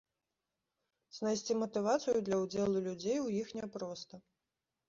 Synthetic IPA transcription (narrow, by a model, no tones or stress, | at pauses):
z̥najsʲt͡sʲimɐt̪ɨvat̪sɨjud̪lʲɐwd͡zʲɛlˠulʲud͡zʲejwjixnʲɛpɾɔst̪ɐ